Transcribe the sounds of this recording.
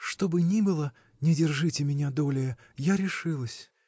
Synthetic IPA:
ʂt̪o̞bɨnʲibɨlˠə | nʲɪdʲɪrʐɨtʲɪmʲɪnʲad̪o̞lʲɪjə | jaɾʲɪʂɨlˠəsʲ

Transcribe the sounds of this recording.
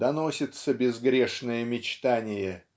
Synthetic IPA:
d̪ɐnosʲɪt̪səbʲɪzɡɾʲeʂnəjəmʲɪt͡ɕt̪anʲɪjə

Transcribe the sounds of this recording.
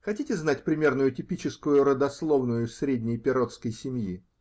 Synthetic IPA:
xɐtʲitʲɪznat̚ʲpɾʲɪmʲe̞rnʊjʊtʲɪpʲit͡ɕɪskʊjʊɾəd̪ɐslˠo̞vnʊjʊfsɾʲedʲnʲɪjpʲɪɾo̞t̪skəjsʲɪmji

